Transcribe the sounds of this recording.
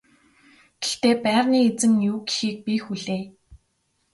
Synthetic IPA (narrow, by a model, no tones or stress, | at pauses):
ɡ̥ext̪eːpæːrniːet͡sɘ̆mnjuːɡixiːk̚pixuɮeː